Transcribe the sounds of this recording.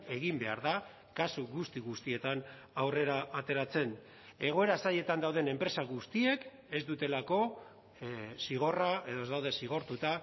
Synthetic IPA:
e̞ɣimbe̞aɾða | kasuɣust̪iɣust̪ie̞t̪anawre̞ɾaat̪e̞ɾat͡se̞n | e̞ɣ̞o̞e̞ɾasaʎe̞t̪and̪awð̞e̞ne̞mpɾe̞saɣust̪ie̞k | e̞zd̪ut̪e̞lako̞ | siɣ̞o̞rae̞ð̞o̞ezd̪awðe̞siɣ̞o̞ɾt̪ut̪a

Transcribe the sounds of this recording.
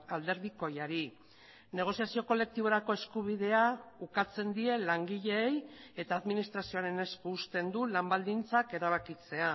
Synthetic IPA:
ald̪e̞ɾðiko̞jaɾi | ne̞ɣ̞o̞siasio̞ko̞le̞k̚t̪iβ̞o̞ɾako̞e̞skuβ̞iðe̞aukat͡se̞nd̪ie̞laŋɡiʎe̞je̞t̪aːðminist̪ɾasio̞aɾe̞ne̞skuːst̪e̞nd̪ulambald̪int͡sake̞ɾaβ̞akit͡se̞a

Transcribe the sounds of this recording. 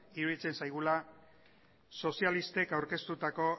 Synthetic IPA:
iɾuðit͡se̞nsajɣ̞ula | so̞sialist̪e̞kawɾke̞st̪ut̪ako̞

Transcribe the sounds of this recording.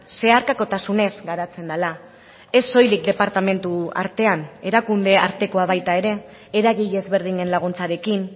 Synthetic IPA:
se̞aɾkako̞t̪asune̞zɡaɾat͡se̞nd̪ala | e̞sːo̞jlikd̪e̞paɾt̪ame̞nt̪ua̰ɾt̪e̞ane̞ɾakund̪e̞aɾt̪e̞ko̞aβ̞ajt̪ae̞ɾe̞ː | ɾaɣiʎe̞zβe̞ɾð̞iɲe̞nlaɣ̞unt͡saɾe̞kin

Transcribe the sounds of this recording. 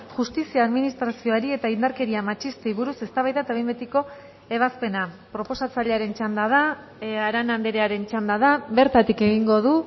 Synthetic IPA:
ʝust̪isiaːðminist̪ɾasio̞aɾie̞t̪aind̪aɾke̞ɾiamat͡ʃist̪eiβuɾuse̞st̪aβajðat̪aβembet̪iko̞ | e̞β̞aspe̞na | pɾo̞po̞sat͡saʎe̞aɾe̞nt͡ʃand̪að̞a | aɾanand̪eɾe̞aɾe̞nt͡ʃand̪aðaβe̞ɾt̪at̪ikeɣiŋɡo̞ðu

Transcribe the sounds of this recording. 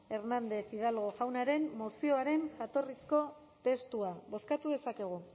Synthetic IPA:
e̞ɾnand̪e̞θiðalɣo̞ʝawnaɾe̞mːosio̞aɾe̞nʝat̪o̞risko̞ | t̪e̞st̪uaβo̞skat̪uðe̞sake̞ɣ̞u

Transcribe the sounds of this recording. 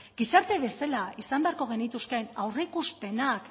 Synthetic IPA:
ɡisaɾt̪e̞βe̞salaisambeaɾko̞ɣ̞e̞nit̪uskenawreikuspe̞nak

